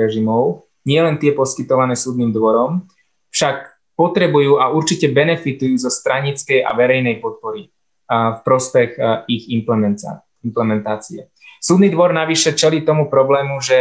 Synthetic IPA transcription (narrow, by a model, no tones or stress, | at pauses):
ɾɛʒimɔʊ | ɲɪɛlɛnt̪ɪɛpɔskit̪ɔʋanɛːsuːd̪niːmd̪ʋɔɾɔm | fʃak | pɔt̪ɾɛbujuːʔauɾt͡ʃicɛbɛnɛfit̪ujuːzɔst̪ɾaɲit͡skɛja̰ʋɛɾɛjnɛjpɔt̪̚pɔɾi | fpɾɔspɛɣiɣimpɛ | implɛmɛnt̪aːt͡siɛ | suːd̪niːd̪ʋɔɾnaʋiʃɛt͡ʃɛliːt̪ɔmupɾɔblɛːmuʒɛ